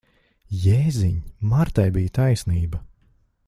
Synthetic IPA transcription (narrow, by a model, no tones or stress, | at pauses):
jeːziɲmaɾt̪ajbijt̪ajsniːbɐ